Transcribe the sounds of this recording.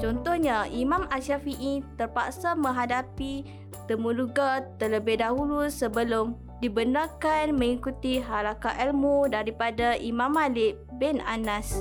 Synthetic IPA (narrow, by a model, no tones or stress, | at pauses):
t͡ʃɔnt̪ɔhɲaimãmasafiʔit̪ərpaksamə̃ŋɦadapi | t̪əmũluɡat̪ələbɪhdaɦulusəbəlʊm | dibənarkanmə̃ŋikut̪iɦalakaʔɛlmudaɾipadaʔimãmalɪʔ | bɛnanas